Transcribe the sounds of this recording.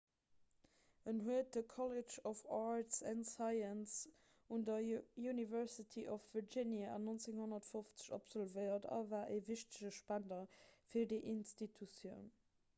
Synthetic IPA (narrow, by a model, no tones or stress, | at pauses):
ʔənɦuət̚d̥əkʰɔled͡ʒɔfaɹtsɛnsaɪəns | undɐjunivɛʁsitʰiʔɔfv̥əd͡ʒinjaʔɑ̰nont͡seŋhonɐtfoft͡sə̥ʃɔ̰pz̥ɔlvəɪɐtʰɑ̰vaːʔeːviʃtəʑəʃpændɐfiːdiʔinstitʰusjəʊn